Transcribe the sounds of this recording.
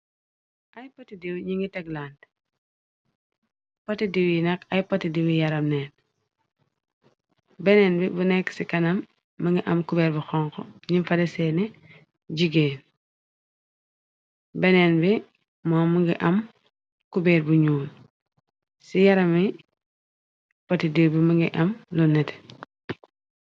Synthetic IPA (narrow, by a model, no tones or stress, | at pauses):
ʔɐjpotidiwɲiŋɡitɛɡlant | pɐtidiwinɐkɐjpɐtidiwijɐɾɐmnɛːn | bɛnɛːnbibunɛkːsikɐnɐmː | ɐŋɡiʔɐmkubɛːɾbuxɔŋkɔɲifɐdɛsɛːnɛ | ɟiɡeːn | bɛnɛnbi | mɔːmuŋɡiʔɐm | kubɛːɾbuɲuːl | sijɐɾɐmi | potidiɾbimuŋɡiʔɐmlunːɛt